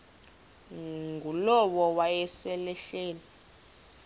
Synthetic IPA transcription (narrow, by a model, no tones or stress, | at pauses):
ŋɡʱulɔwɔwajɛsɛlɛɬeːni